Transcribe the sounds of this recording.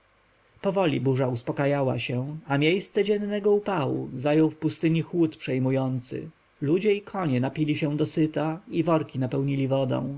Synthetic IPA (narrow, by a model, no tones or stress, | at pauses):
pɔvɔlʲḭbuʐauspɔkajawa̰ɕɛ̃amʲjejst̪sɛd͡ʑɛnːɛɡɔupawṵzajɔwfpust̪ɘɲixwut̪pʂɛjmujɔnt̪sɘ̰ | lud͡ʑɛikʰɔɲɛnapʲilʲiɕɛ̃d̪ɔsɘt̪aivɔɾkʲinapɛwɲilʲivɔd̪ɔ̰̃w̃